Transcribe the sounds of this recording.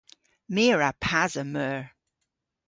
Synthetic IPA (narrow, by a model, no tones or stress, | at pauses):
meːɹapʰazəmœːɹ